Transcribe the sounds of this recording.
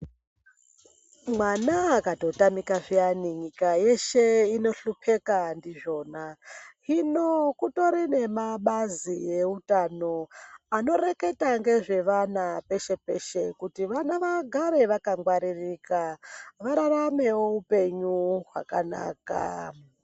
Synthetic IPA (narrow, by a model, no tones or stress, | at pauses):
mwanaːkatotamikaʐianiɲikaje̞ʃeino̞ɬupʰe̞kandiʐo̞ːnaɦinokuto̞ɾine̞maɓazije̞utano̞ano̞ɾe̞ke̞taŋɡe̞ʐe̞ʋanape̞ʃe̞pe̞ʃe̞kutiʋanaʋaɡʱaɾe̞ʋakaŋɡwaɾirikaʋaɾaɾame̞wo̞upe̞ɲuɦwa̰kana̰ːka̰